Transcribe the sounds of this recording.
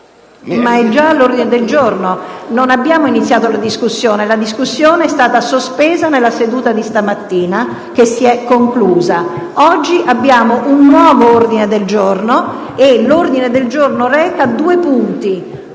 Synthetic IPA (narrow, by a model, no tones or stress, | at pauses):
maɛd͡ʒalːord̪ined̪eld͡ʒornononabːjaːmoinit̪sːjaːt̪olad̪iskusːjoːnelad̪iskusːjoːneɛst̪aːt̪asospeːzanelːased̪uːt̪ad̪ist̪amat̪ːiːna | kesːiɛkːoŋkluːza | ɔd͡ʒːiʔabːjaːmoʔunːwɔːvoord̪ined̪eld͡ʒorno | elord̪ined̪eld͡ʒornoɾɛːkad̪uːepunt̪i